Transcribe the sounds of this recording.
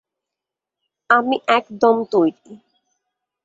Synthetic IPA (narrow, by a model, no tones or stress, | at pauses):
amiʔɛkd̪omt̪ojɾi